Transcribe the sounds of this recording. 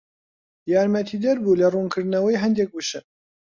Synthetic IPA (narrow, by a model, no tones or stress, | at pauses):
jɑːɾmɐt̪ʰid̪ɐɾbulɐruːnkʰɨɾd̪nɐwɐjɦɐnd̪ek̚bɨʃɨn